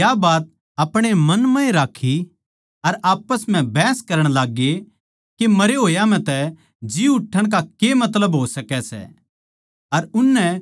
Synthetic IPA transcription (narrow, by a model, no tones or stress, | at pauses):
jabaːt̪̚ | ɐpɽ̃emɐnmɐ̃ĩɾaːkʰːi | ɐɾaːpəsm̤ɛ̃bɛːskɐɾəɽ̃laːɡe | kemɐɾeɦoːjam̤ɛ̃t̪ɛ | d͡ʒɪuʊʈʰːəɽ̃k̬akemɐt̪̬ləbɦosɐkɛsɛ̰ | ɐɾʊnːɛ